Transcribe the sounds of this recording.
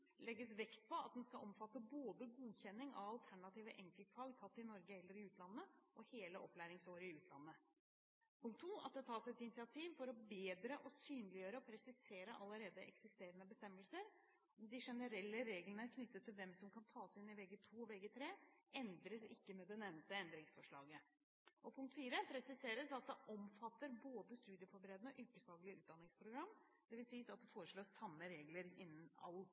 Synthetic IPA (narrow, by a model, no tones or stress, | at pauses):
lɛɡːəsʋɛkt̪̚pʰɔɑt̪̚d̪ɛnskɑɔmfɑt̪ːəboːd̪əɡuːçɛnːɪŋɑ̰ʋɑlt̪ʰæɳɑt̪iːʋəʔɛŋkəlt̪fɑːɡt̪ʰɑt̪ːɪnɔɾɡəɛlːəɾɪʉːt̪lɑnːəʔɔheːləʔɔpːlæːɾɪŋsoːɾɪʉːt̪ʰlɑnːə | pʰʊŋkt̪ʰːuːɑt̪̚d̪ɛt̪ʰɑːsɛt̪ɪnɪsɪɑt̪ʰiːʋfɔɾɔbeːd̪ɾəʔɔsyːnlɪjøːɾəɔpʰɾɛsɪseːɾəʔɑlːəɾeːd̪əʔɛ̰ksɪst̪eːɾənəbəst̪ɛmːəlsəɾ | d̪ɪʂɛnəɾɛlːəɾeːɡlənəæɾkʰnʏt̪ːət̪ʰːɪlʋɛmsɔmkʰɑnt̪ʰɑːsɪnːɪʋɛɡət̪ʰuːɔʋɛɡət̪ʰɾeːɛnd̪ɾəsɪkːəmɛd̪ɛnɛmnt̪əɛnd̪ɾɪŋsfɔʂɭɑːɡə | ʔɔpʰʊŋkt̪fiːɾəpʰɾɛsɪseːɾəsɑt̪̚d̪ɛʔɔmfɑt̪ːəɾboːd̪əst̪ʉːd̪ɪəfɔɾbəɾeːd̪ənɔʔʉːkəslɑːɡlɪəʉːt̪̚d̪ɑnɪŋspʰɾʊɡɾɑmː | d̪̥ɛʋɪlsiːsɑt̪̚d̪ɛfoːɾəʂɭoːɾsɑmːəɾeːɡləɾɪnːən̩ɑ̰lː